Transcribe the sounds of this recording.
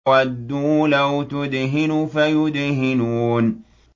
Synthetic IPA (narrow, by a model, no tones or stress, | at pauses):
wad̪ːulawt̪ʊd̪ɦɪnufajʊd̪hɪnuːn